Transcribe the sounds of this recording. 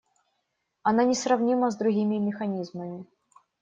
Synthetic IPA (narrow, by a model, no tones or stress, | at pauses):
ɐnanʲɪsrɐvnʲiməzd̪ɾʊɡʲimʲɪmʲɪxɐnʲizməmʲɪ